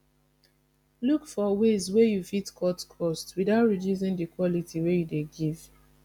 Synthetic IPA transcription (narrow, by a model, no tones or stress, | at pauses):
lukfɔwezwejufitkʰɔtkʰɔstwidaʊtɹiduz̬ĩŋdikwɔlitʰiwejudeɡiv̥